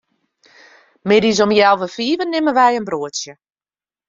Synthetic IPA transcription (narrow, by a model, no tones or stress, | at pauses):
mɪdizomjɛlˠvəfiːvənːɪməʋɛjənbruəsjə